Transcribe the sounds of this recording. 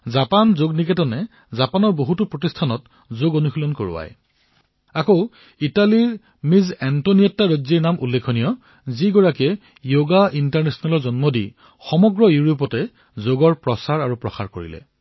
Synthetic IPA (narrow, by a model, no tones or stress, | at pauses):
zapanzoɡnikɛtɔnɛ | zapanɔɹboɦutupɹɔtistʰanɔt | zoɡonuxʰilɔnkoɹṵa̰j | akoʊ | italiɹ | mizɛntoniɛtːaɹoziɹnamʔṵlːekʰonijɔ | ziɡɔɹakɛ | joɡaintaɹnɛsɔnalɔɹzɔnmɔdḭ | xɔmɔɡɹɔjuɹop̬ɔtɛ | zoɡɔɹpɹɔsaɹaɹupɹɔxa̰ɹko̰ɹḭlɛ̰